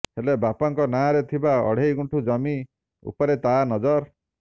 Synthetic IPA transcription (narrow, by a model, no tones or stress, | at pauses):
helebapaŋkɔnaɾet̪ʰibaɔ̰ɽ̤ejɡuɳʈʰud͡ʒɔmi | ṵpɔɾet̪anɔd͡ʒɔɾ